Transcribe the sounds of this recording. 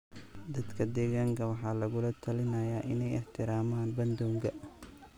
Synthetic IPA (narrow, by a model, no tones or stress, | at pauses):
d̪ɐd̪kʰɐd̪ɛːɣaːŋkʰɐwɑħɑːlɐɣʊlɐt̪ʰɐlɪnɐjaːʔɪnɛjɛħt̪ʰɪɾaːmaːnbɐnd̪ɔːŋɡɐ